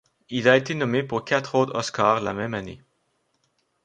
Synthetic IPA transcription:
ilaet̪enɔmepuʁkʲat̪χot̪ɔskaːʁla̰mɛmanḛ

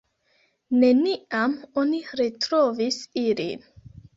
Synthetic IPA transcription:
ne̞niamoniɾetɾovisilḭn

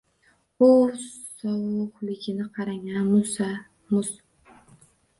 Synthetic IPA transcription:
oɾsɒwʊʁlɪɡʲɪnɪqʰɑɾaŋanmʊsa | mʊz

